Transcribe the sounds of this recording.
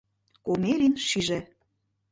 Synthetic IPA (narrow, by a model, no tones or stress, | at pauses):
komeɾʲinʃiʒĕ